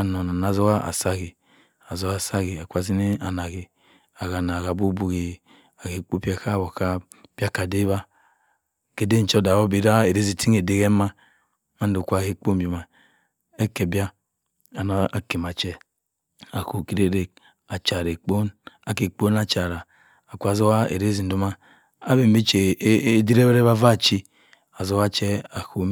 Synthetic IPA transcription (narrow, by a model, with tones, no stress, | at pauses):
a˨no˨na˨na˨zo˦ka˦ʔa̰˨sa˦ɡi˨ | a˨zo˦a˨sa˦ɣi˨a˨kʷa˨zi˦ne˦a˨na˨ɡi˨ | a˨ɣa˨na˨ɡa˨bu˦bu˦ɡi˨ | a˨ke˨k͡po˦pi˦a˦˨ka˦˨wo˨ka˦ | b̥ja˦ka˨de˦βa˦ | ke˦de˦n̩˨t͡ʃɔ˦da˨wo˦bi˨˦ɾa˦e˨ɾe˦zi˨tʰi˦ŋe˨de˦ɣe˦ma˦ | ma˦n˦du˨kʷa˦˨he˦k͡po˦mbu˨ma˨ | e˦ke˨bja˦ | a˨na˨˦a˨ke˨m˨a˨t͡ʃɛ˦ | a˨ko˨ki˦ɾe˦ɾe˦ | a˨t͡ʃa˨ɾe˨k͡po˦na˨ke˨k͡po˦na˦t͡ʃa˨ɾa˨ | a˨kʷu˨a˨zo˦wa˦ḛ˨ɾe˦zi˨n̩˨du˦ma˦ | a˦be˨m˦bi˦t͡ʃe˨˦di˦ɾe˦be˦ɾe˦ba˦va˦˨t͡ʃi˦ | a˨zo˦wa˦t͡ʃɛ˦a˨ko˨